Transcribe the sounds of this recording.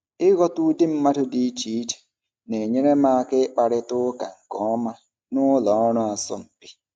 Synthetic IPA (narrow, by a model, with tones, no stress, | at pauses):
ɪ˦ɣɔ˦tu˦di˦m̩˦ma˦tʊ˦di˦t͡ʃi˨˦d͡ʒɛ̥˨ | ne˨ɲe˦ɾe˦ma˦kɪ˦k͡pa˨ɾɪ˦tʊ˦ka̰˨ŋ̩˨ɡɔ˨˦ma˦ | nʊ˦lɔ˨˦nɔ˦a˨sɔ̰˦˨m̩˨pi˦